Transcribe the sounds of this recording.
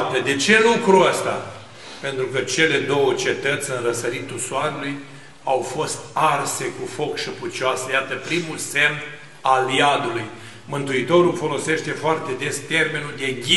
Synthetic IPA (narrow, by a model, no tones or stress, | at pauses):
t̪əd̪e̞t͡ʃe̞lukɾuəst̪a̰ | pe̞nt̪ɾukət͡ʃe̞le̞d̪o̞wət͡ʃe̞t̪ət̪sʲɨnrəsəɾit̪usoaɾuluj | awfo̞st̪arse̞kufo̞kʃəput͡ʃasəjat̪əpɾimulse̞m | aliad̪uluj | mɨnt̪uit̪o̞ɾulfo̞lo̞se̞ʃt̪e̞foart̪e̞d̪e̞st̪e̞rme̞nuld̪e̞ɡʲi